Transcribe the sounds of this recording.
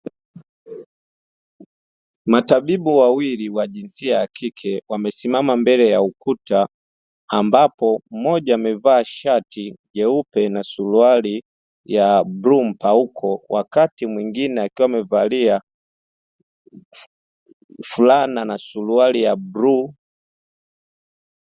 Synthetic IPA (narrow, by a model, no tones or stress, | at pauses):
matabibuwawiliwaʄinsiaːkʰikʰɛwamɛsimamambɛlɛjaukutaː | mbapɔm̩mɔʄaːmɛvaːʃatiʄɛupɛnasuluali | jabɾum̩paukʰɔwʔakatimwiŋɡinɛakiwamɛvalia | fulananasulualijabɾu